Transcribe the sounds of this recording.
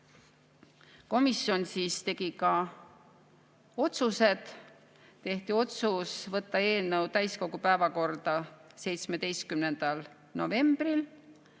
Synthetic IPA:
ko̞misjo̞nsiːst̪e̞ɡ̥ikɑ | o̞t̪suse̞d̪̥ | t̪e̞ht̪io̞t̪susvɤt̪ːɑe̞ːlnəwt̪æjsko̞ɡ̥upæevɑko̞rd̪̥ɑse̞jt̪smed̪e̞jst̪̚kymne̞nd̪̥ɑl | no̞̰ve̞mb̥ril

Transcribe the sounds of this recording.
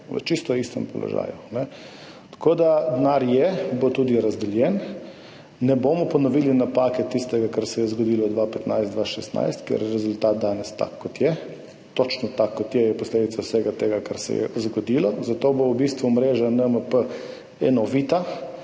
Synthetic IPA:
ʋə̰t͡ʃist̪ɔist̪ɛ̰mpɔ̰lɔ̰ʒa̰ːjunɛ | t̪ḁkod̪ad̪naɾjɛbot̪uːd̪iɾazd̪ɛljɛnː | ɛbomɔpɔnɔʋiːlinapakɛt̪ːist̪ɛɡakaɾsɛjɛzɡɔd̪iːlɔd̪ʋapɛt̪najzd̪ʋaʃɛst̪na̰jst̪kjɛ̰ɾjɛɾɛzʊlt̪at̪̚d̪anɛst̪a̰kːɔt̪jɛ | t̪ot͡ʃnɔt̪akːɔt̪jɛjɛpɔsled̪it̪sawsɛɡat̪eːɡakaɾsɛ̰jɛ̰zɡɔd̪ilɔzat̪obowbist̪ʋumɾeːʒanəməpə | ɛnɔʋit̪a

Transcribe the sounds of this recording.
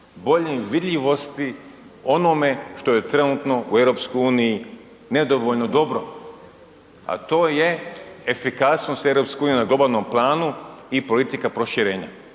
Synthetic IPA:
bo̞ʎemʋid̪ʎʲiʋo̞st̪i | o̞nome̞ʃt̪o̞je̞t̪ɾe̞nut̪no̞ʔue̞vɾo̞pskojuːniji | ned̪oʋoʎnod̪o̞bɾo | a̰t̪o̞ːje̞efikasnosevɾopskeuːnijunaɡlˠo̞baːlˠno̞mplˠaːnuipo̞lit̪ikapɾo̞ʃiɾe̞ːɲa̰

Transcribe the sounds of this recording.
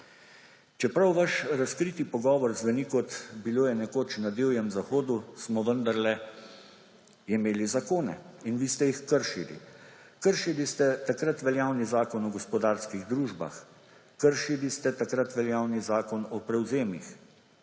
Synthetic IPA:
t͡ʃɛpɾawʋaʃɾaskɾit̪ipɔɡɔːʋɔɾzʋɛnikɔt̪biloːjɛnɛkoːt͡ʃnad̪eːwjɛmzaxoːd̪usmɔʋənd̪aɾlɛ | imeːlizakoːnɛ̰inʋiːst̪ɛjixkəɾʃilḭ | kəɾʃilist̪ɛt̪akɾat̪ʋɛljaːwnizaːkɔnɔɡɔspɔd̪aːɾskiɣd̪ɾuːʒba̰x | kəɾʃilist̪ɛt̪akɾat̪ʋɛljaːwnizaːkɔnɔpɾɛwzeːmix

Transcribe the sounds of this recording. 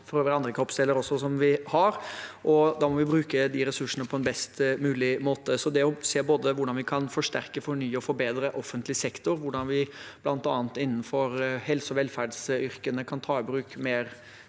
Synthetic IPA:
fɔɾøːʋəɾɑnd̪ɾəkʰɔpːsɛlːəɾɔsːɔsɔmʋɪhɑɾʔɔd̪ɑːmɔʋɪbɾʉːkəd̪ɪɾɛsʉʂənəpʰɔɛnbɛst̪mʉːlɪmoːt̪əsɔd̪ɛɔseːboːd̪əʋʊɖɑnʋɪkʰɑnfɔʂʈæɾkəfɔɳyːɔfɔɾbeːd̪ɾəʔɔfːənt̪lɪsɛkt̪ʊɾʋʊɖɑnʋɪb̥lɑnt̪ɑːnt̪ɪnːən̩fɔɾhɛlsɔʋɛlːfæɖsʏɾkənəkʰɑnt̪ʰɑːɪbɾʉːkmeːɾ

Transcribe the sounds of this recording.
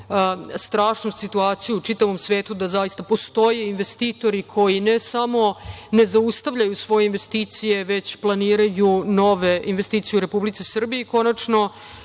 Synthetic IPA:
st̪ɾaːʂnussit̪uaːt̪sijuːt͡ʂit̪aʋo̞msʋe̞ːt̪ud̪azajist̪apo̞st̪o̞jeinʋe̞st̪iːt̪o̞ɾikʰo̞jinesamo̞ne̞zaust̪aʋʎajusʋo̞jeinʋe̞st̪iːt̪sije̞ʋe̞t͡ɕplˠaniːɾajuno̞ʋe̞inʋe̞st̪iːt̪sijeɾe̞publit̪sisr̩bijeiko̞nat͡ʂno̞

